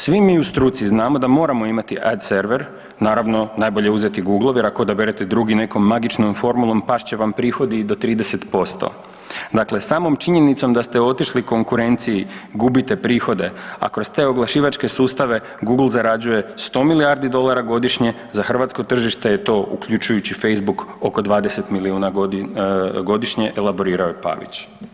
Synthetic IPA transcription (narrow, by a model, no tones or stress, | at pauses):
sʋimiːust̪ɾut̪siznaːmo̞d̪amo̞ːɾamo̞imat̪iʔad̪se̞ɾʋe̞ɾ | naːɾaʋno̞naːjbo̞ʎe̞uzet̪iɡuɡlˠoʋjeɾakood̪abeɾet̪ed̪ɾuɡine̞ko̞mːaɡit͡ʃno̞mfo̞ɾmulˠo̞mpaʃt͡ɕe̞ʋampɾiːxo̞d̪id̪o̞t̪ɾiːd̪ese̞t̪po̞st̪o̰ | d̪aːkle̞saːmo̞mt͡ʃiɲe̞nit̪so̞md̪ast̪e̞o̞t̪iʃliko̞ŋkuɾe̞nt̪siiɡubit̪e̞pɾiːxo̞d̪e̞a̰kɾo̞st̪e̞ːo̞ɡlˠaʃiːʋat͡ʃke̞suːst̪aʋe̞ | ɡuɡl̩ˠzaɾad͡ʑuje̞st̪o̞ːmiliaɾd̪id̪o̞lˠaɾaɡo̞d̪iʃɲe̞ | zaxr̩ʋat̪sko̞t̪r̩ʒiʃt̪e̞jet̪o̞ːʔṵkʎut͡ʃujut͡ɕife̞jzbukoko̞d̪ʋaːd̪e̞se̞t̪miliuːnao | ɡo̞d̪iʃɲe̞ʔelˠabo̞ɾiːɾaojepa̰ʋḭt͡ɕ